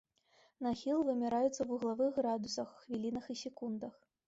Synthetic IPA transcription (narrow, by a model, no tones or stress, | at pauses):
naxʲilˠvɨmʲɛɾajut̪sːɐwuɣlˠavɨxɣɾad̪usɐxːvʲilʲinɐxisʲɛkund̪ɐx